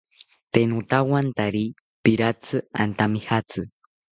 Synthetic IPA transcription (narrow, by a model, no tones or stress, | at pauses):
t̪enut̪awant̪aɾi | piɾat͡sɨa̰nt̪amihat͡sɨ